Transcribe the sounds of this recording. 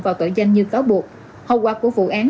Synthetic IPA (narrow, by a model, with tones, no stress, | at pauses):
vaː˨˩wt̪o̰˧˩jzə˧jŋ̟ɲɨ˧kaː˨˦wɓu˨˩ək̚ | hə˧˩wkwaː˧˩ku˧˩əvṵ˧˨ʔaː˨˦n